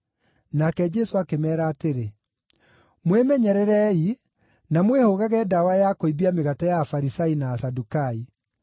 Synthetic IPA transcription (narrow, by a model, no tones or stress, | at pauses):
nakɛd͡ʒɛsoakemɛːɾaːteɾe | mwemɛɲɛɾɛɾɛi | namwehoɣaɣɛdawajakoibiameɣatajaːfaɾisainaːsadukai